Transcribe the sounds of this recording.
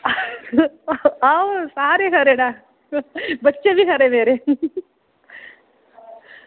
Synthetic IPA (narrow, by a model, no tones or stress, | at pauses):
awsaːɾeɦɐɾeɽa | bɐt͡ʃːɐʋiɦɐɾebeːɾe